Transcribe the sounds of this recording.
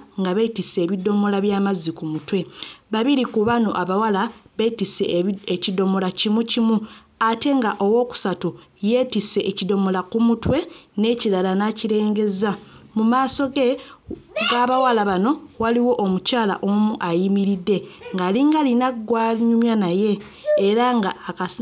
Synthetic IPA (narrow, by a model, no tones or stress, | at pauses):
ŋɡaβetise̞ːβido̞mo̞laβjaːmazikumutwe̞βaβiɾikuβano̞̰ʔaβawalaβe̞tise̞̰ecido̞mo̞lacimucimu | ate̞ŋɡaʔo̞wo̞ːku̥satuje̞ːtise̞ʔːcido̞molakumutwe̞ne̞ːciɾalanaciɾe̞ːŋɡe̞zamumaːso̞ɡe̞ | ɡaːβawalaβano̞waliwo̞ʔːmucaːla̰ʔomuʔajimiɾidːe̞ŋɡaliŋɡalinaɡwaɲumjanaje̞ː | ɾaŋɡaːka